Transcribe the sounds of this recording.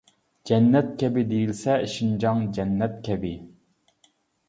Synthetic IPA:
d͡ʒɛnːɛt̪̚kʲʰɛbɪd̪ejilsɛiʃind͡ʒɑŋd͡ʒɛnːɛt̪̚kʲʰɛbɪ

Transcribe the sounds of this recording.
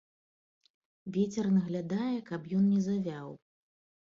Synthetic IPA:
vʲɛt͡sʲɛrnɐɣlʲad̪ajɛkɐpjɔnnʲɛzavʲaw

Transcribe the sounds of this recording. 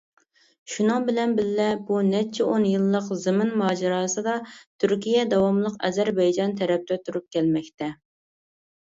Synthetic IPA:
ʃunɨŋbɪlɛnbɪlːɛbunɛt͡ʃʰɛonjɨlˠːəqzɨmɪnmɑːd͡ʒɛɾɑːsɨd̪ɑt̪ʰyɾkʲijɛd̪ɑwɑmlˠəqɛ̰zæɾbɛjd͡ʒɑnt̪ʰɛɾɛp̚t̪ɛt̪ʰuɾup̚kʲʰɛlmɛkʲt̪ʰɛ

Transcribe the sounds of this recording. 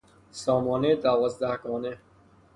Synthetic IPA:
sɔːmɔːned̪awɔːzd̪ahɡɔːne

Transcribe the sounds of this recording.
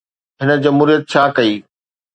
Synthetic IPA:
ɦɪnə̆d͡ʑɐmɦuːɾijət̪̚t͡ɕʰaːkɐiː

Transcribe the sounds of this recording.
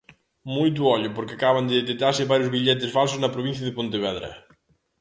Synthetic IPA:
mujt̪̬ʊɔʎʊpoɾkɪakaβand̪eðet̪ek̚t̪aɾsɪβaɾjʊzβiʎɛt̪̬ɪsfalsʊznɐpɾoβin̟θjɐðepõnt̪eβɛðɾɐ̰

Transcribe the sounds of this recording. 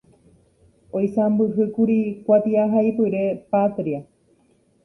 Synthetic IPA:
ojsambɨɦɨkuɾikʷat̪iaɦajpɨɾe̞pat̪ɾia

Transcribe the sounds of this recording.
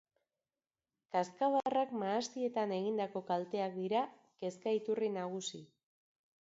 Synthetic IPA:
kaskaβarakmaːst̪ie̞t̪ane̞ɣ̞ind̪ako̞kalt̪e̞ak̚d̪iɾa | ke̞skait̪urinaɣ̞usi

